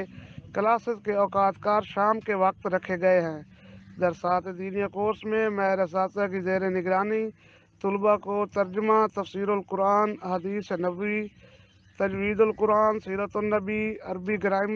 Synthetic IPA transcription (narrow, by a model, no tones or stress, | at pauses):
kəlaːsət̪keɔːkaːt̪kaːɾʃaːmkeʋək̚t̪ɾəkʰeɡəeɦɛ̃ː | d̪əɾsaːt̪ʰed̪iːnjakoːɾsmẽmɛːɾəs̬aːt̪akizeːɾenɪɡɾaːni | t̪ʊlbakot̪əɾd͡ʒmat̪əfsiːɾolkʊɾaːnəɦəd̪iːsnəbi | t̪əd͡ʒwiːd̪olkʊɾaːnsiːɾət̪onəbiɐɾbiɡɾaːɪm